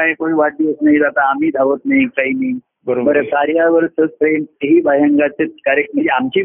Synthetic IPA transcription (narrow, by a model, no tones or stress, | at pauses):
aɦekoɽiʋaʈ̚d̪iəsnaid͡zat̪aːmiːd̪ʱaʋət̪naɦikaɦinai | bəbəɾəsaɾjaʋəɾsəspɾeməɦiːbʱajəŋɡat͡set̪kaɾek̚ʈməd͡ʑeamt͡ɕiː